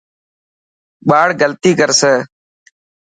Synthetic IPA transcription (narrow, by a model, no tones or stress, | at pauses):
ɓaːɽɡəlt̪iːkəɾseː